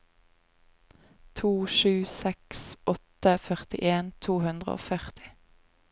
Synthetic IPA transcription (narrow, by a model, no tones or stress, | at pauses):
t̪ʰuːʃʉːsɛksɔt̪əfœʁt̪ɪʔeːnt̪ʰuːhʉnd̪ʁə̰o̰ːfœʁt̪ɪ̥